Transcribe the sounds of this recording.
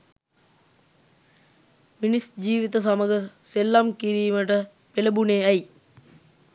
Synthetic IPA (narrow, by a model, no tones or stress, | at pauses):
minisd͡ʒiːʋit̪əs̬aməɡəselːamkiɾiːməʈə | peləbuneːæj